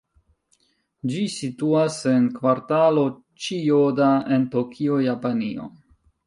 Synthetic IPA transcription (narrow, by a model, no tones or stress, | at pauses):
d͡ʒisituase̞nkvaɾtalo | t͡ʃijodaentokʰiojapanio̞̰